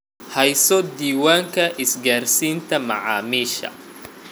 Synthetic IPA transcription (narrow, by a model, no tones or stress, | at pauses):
hɛjsɔd̪iːwaːŋkʰɐʔɪsɡaːrsiːnt̪ʰɐmɑ̰ʕɑ̰ːmiːʃɐ̰